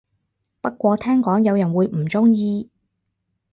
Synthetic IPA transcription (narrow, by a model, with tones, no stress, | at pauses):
pɐ˥t̚kʷɔː˧t̪ʰɛː˥ŋkɔː˨˥ŋjɐ˨˧wjɐ˨˩nwuː˨˧jm̩˨˩t͡sʊ˥ŋjiː˧